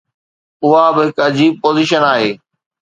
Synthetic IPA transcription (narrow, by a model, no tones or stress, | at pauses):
ʊɦabɪɦɪkɐd͡ʑiːb̚poːziːʃənaːɦeː